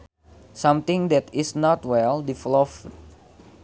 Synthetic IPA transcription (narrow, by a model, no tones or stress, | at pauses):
sãmt̪ɪ̃ŋdɛt̪isnɔtwɛldiflɔf